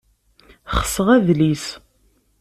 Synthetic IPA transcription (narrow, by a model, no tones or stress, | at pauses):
χə̥səʁæðlis